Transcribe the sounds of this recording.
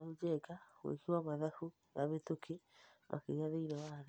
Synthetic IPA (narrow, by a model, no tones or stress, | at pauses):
ud͡ʒɛkawḛkiwamaðahu | naβetokʰemʔa̰keɣaðeiɾɔwaɾ